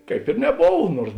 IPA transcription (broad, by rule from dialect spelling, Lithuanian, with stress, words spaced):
kɐɪp ɪr nʲɛˈboːw ˈnuɔrs